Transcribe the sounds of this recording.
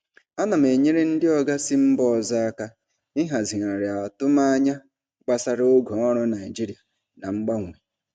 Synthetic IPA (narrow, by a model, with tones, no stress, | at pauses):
a˦na˨m˨e˨ɲe˦ɾe˦n̩˦dɪ˦ɔ˨ɡa˦sɪ˦m̩˦bɔ˦˨za˦a˦ka˦ | ɪ˦ɦa˨zi˨ŋa˨ɾɪ˨a˨tʊ˦ma˦a˦ɲa˦ | ɡ͡ba˦sa˦ɾɪ˦o˦ɡo˨ɔ˦ɾɔ˦na˨ɪ˨d͡ʒi˦ɾi˨a˨ | na˨ŋ͡m̩˦ɡ͡ba˦ŋʷ˨e˨